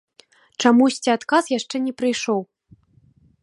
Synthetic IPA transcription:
t͡ʂamusʲt͡sʲiat̪kasjaʂt͡ʂɛnʲɛpɾɨjʂɔw

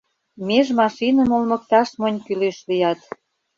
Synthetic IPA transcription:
meʒmɑʃinəmolmə̆k̚t̪ɑʃmonʲkyleʃlijɑt̪

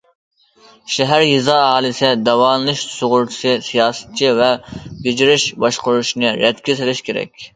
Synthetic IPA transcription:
ʃɛɦæɾjizɑːɑːlˠɨsɪd̪ɛwɑːnlˠɨʃsoʁʊɾt̪ʰɪ̥sɨsijɑːsɛ̥t̪̚t͡ʃʰivɛbed͡ʒiɾɪʃbɑʃqʊɾuʃnɨɾɛt̪kʲʰɪselɪʃkʲeɾɛ̰kʲ

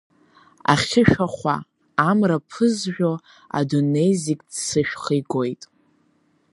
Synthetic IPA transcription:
a̰χχʲɪʃaχʷa̰ | amrapʰɨzʒᶣo̞ | a̰done̞jzikʼdsɨʃχəjɡo̞jtʼ

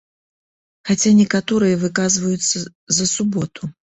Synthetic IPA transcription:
xat͡sʲanʲɛkat̪ɔɾɨjɐvɨkazvɐjut̪sːɐ | zɐsubɔt̪ʰu

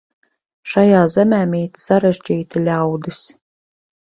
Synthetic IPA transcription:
ʃajaːzɛmʲæːmʲiːt̪saɾɛʒd͡ʒiːt̪ilʲawd̪ɨs

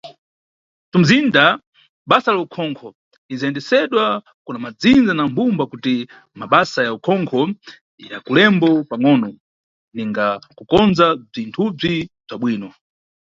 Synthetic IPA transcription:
tum̩zinda | ɓasalaukʰɔŋkʰɔ | izaɛndɛsɛɗwa | kunamad͡zind͡zanambumbakuti | maɓasajaukʰɔŋkʰɔ | ja̰kulɛmbɔpaŋɔnɔ | niŋɡakukɔnzab͡ʐintʰub͡ʐib͡ʐaɓwiːnɔ

